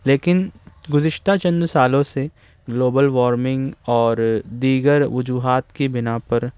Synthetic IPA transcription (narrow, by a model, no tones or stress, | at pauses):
leːkɪnɡʊzɪʃt̪at͡ʃɐ̃nd̪saːlõse | ɡloːbəlʋɔːɾmɪ̃ŋɡɔːɾd̪iːɡəɾʋʊd͡ʒuːɦaːt̪kibɪnapɐɾ